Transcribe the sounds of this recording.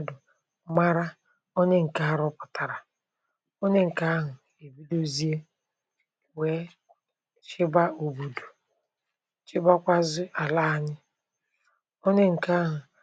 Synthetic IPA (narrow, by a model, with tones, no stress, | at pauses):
dʊ˨ | ma˦ɾa˦ | o˦ɲe˦ŋ̩˨ka˦a˦ɾʊ˦pʊ̥˨ta˨ɾa˨ | o˦ɲe˦ŋ̩˨ka˦a˦ɦʊ˨ | e˨bi˦do˦zi˦e˦ | we˨˦ | t͡ʃɪ˦ba˦u˨bu˨du˨ | t͡ʃɪ˦ba˦kʷa˦zʊ˦a˨la˦a˦ɲɪ˦ | o˦ɲe˦ŋ̩˨ka˦ɦʊ˨